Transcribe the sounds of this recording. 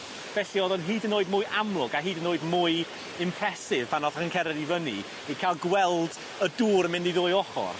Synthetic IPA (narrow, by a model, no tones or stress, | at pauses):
b̥ɛɬiɔðɔnɦiːdənoːɨdmʊɨʔamlˠʊɡaɦiːdənoːɨdmʊɨ | ɪmpʰrɛsɪv̥pʰanɔðəŋkʰɛɾɛdivənḭ | ikʰalˠɡwɛlˠd | əduːɾmɪndiðoːɨɔχɔ̰r